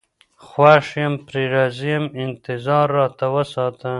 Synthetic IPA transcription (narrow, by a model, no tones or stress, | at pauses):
xwaʂjempɾeɾɑːzijemɪnt̪ɪzɑːɾːɑːt̪awəsɑːt̪ʰa